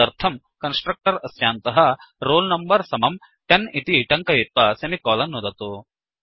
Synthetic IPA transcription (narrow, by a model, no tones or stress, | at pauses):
ɐɾt̪ʰɐm | kɐnsʈɾɐk̚ʈɐɾɐsjaːnt̪ɐɦɐɾoːlnɐmbɐɾsɐmɐm | ʈɐnit̪iʈɐŋkɐit̪̚ʋɐsɐmikɔːlɐnːud̪ɐt̪oː